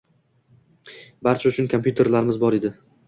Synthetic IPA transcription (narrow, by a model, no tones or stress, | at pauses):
baɾt͡ʃʰaʊt͡ʃʰʊnkʰompjut̪ʰe̞ɾlaɾɪmɪzbɒɾed̪ɪ